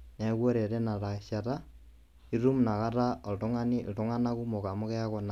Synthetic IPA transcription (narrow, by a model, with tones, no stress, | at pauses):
nɛ˨˦kwo˦ɾe˨ɾe˦na˨ɾa˨ʃa˨ta˦ | i˦ɾu˦mna˨ka˦ta˦ɔ˨ltɔ˦ŋa˦ni˦˨tɔ˦ŋa˦na˦ku˦mo˨ka˨mɔ˦kɛ˦a˦kɔ˨na˨